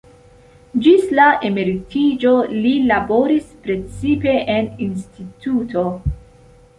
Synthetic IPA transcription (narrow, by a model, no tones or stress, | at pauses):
d͡ʒislaʔe̞meɾitid͡ʒo̞lilabo̞ɾispɾe̞t͡sipe̞ʔeninstitutʰo̞